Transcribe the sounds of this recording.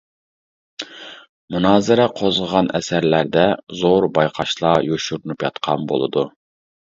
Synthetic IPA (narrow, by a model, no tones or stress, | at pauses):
munɑːzɪɾɛqʰozʁəʁɑnɛ̰sæɾlæɾd̪ɛzoɾbɑjqʰɑʃlˠɑjoʃuɾunupjɑt̪qʰɑnbo̰lˠɨ̰d̪u